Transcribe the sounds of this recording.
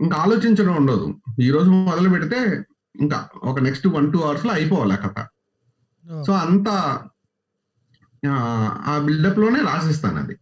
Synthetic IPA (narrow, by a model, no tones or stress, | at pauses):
iŋkɐaːlo̞ːt͡ʃiɲt͡ʃɐnɐːuɳɖoːd̪ṵiːɾoːd͡ʒuɔðɐlupɛɽit̪e̞ː | iŋka̰ɔkɐneksʈuʋɐnʈuːɐʋɐɾsloːɐjpɔːʋalɛ̰ːkɐt̪ɐa̰ | so̞ːɐnt̪a | aːbiɭɖɐplo̞ːneːɾaːs̬is̬t̪a̰ːnɐ̰d̪ḭ